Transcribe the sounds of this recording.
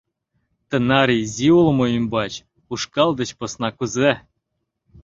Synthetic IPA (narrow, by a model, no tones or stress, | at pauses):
t̪ɤ̆nɑɾʲizʲiulˠmoimʲbɑt͡ɕ | uʂkɑlˠd̪ə̆t͡ɕpŏsnɑkuze